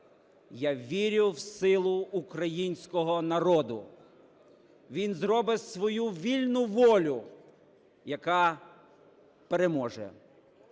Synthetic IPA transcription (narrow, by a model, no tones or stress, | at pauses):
jaʋʲiɾʲʊwsɪlˠʊːkɾɐjinʲsʲkɔɦɔnɐɾɔd̪ʊ | ʋʲinzɾɔbɪsʋɔjuʋʲilʲnʊʋɔlʲʊ | jɐkɑ | peɾemɔʒɛ̰